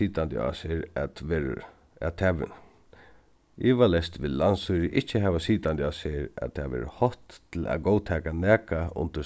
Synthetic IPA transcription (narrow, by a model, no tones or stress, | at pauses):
iːt̪ant̪ɪ̰a̰seɾa̰t̪ʋɛːɾ̰ | at̪ʰɛʋɪ̰n | ɪʋalɛst̪ʋɪðlansuɾɪʔɪht͡ʃːəɦɛːʋasiːt̪ant̪ɪaseɾa̰t̪ʰaʋɛ̰ːɾ̰hɔht̪ːʰɪlæ̰ðɡɔːwt̪ʰɛːkanæːkaʊ̰nt̪ɪ